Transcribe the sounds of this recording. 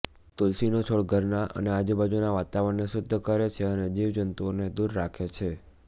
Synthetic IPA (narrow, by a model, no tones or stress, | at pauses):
t̪ʊlsinot͡ʃʰoɭɡʱəɾnaʔə̰nead͡ʒubad͡ʒunaʋat̪aʋənːesʊd̪ʱːəkəɾet͡ʃʰeəned͡ʒiʋd͡ʒənt̪uoned̪uɾːakʰet͡ʃʰe